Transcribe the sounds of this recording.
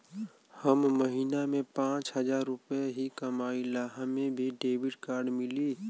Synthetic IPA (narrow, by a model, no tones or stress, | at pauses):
həmːəɦiːnamẽpãːt͡ʃɦɐzaːɾːʊpeɦikɐmaːilaːɦãmẽbʱiɖeːbɪʈkaːɾɖmɪliː